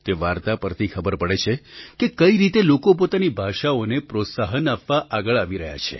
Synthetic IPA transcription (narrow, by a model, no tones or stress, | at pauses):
t̪eʋaɾt̪apəɾt̪ʰikʰəbəɾpəɽet͡ʃʰekekəiɾit̪elokop̬ot̪anibʱaʃaonepɾot̪saɦənapʋaʔaɡəɭaʋiɾəɦja̰t͡ʃʰḛ